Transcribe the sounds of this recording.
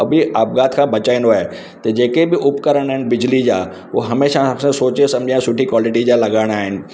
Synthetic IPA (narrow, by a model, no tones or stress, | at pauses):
ɐbʱiaːp̚ɡaːt̪ʰkʰãːbɐt͡ɕaːɪ̃nd̪oaːɦe | t̪ɐd͡ʑeːkebɪʔʊpkɐɾəɽ̃aːɦɪnɪ̆bɪd͡ʑlid͡ʑaː | ʋoɦɐmeːʃasãsoːt͡ɕesɐ̃md͡ʑʱijãsʊʈʰikwaːlɪʈid͡ʑaːlɐɡaːɪɽ̃aːɦɪnɪ̆